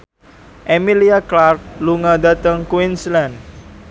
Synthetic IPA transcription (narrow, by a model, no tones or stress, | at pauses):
ʔemiliaklark̚luŋadat̪əŋkwinsland